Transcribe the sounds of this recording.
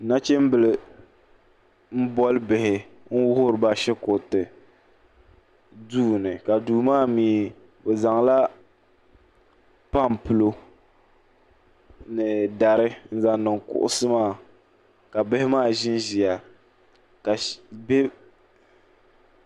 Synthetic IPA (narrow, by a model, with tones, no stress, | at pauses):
na˦t͡ʃe˦m̩˦bɨ˨lɨ˨ | m̩˦bɔ˦lbɪ˨hɪ˨ | n̩˦wʊ˦hʊ˦ɾɨ˨ba˦ʃɛ˦ko˨tɨ˨ | duː˦˨nɨ˨ka˨duː˨maː˦˨miː˨ | bɛ˨za˨ŋla˦ | pa˦˨mpɨ˨lo˦ | nɨ˨da˨ɾɪ˦n̩˦za˦nɨ˨ŋkʊ̰˨ʔʊ̰˦sɨ˦maː˦˨ | ka˨bɪ˦hɪ˦maː˦˨ʒɪ˦nʒi˨a˨ | ka˨be˦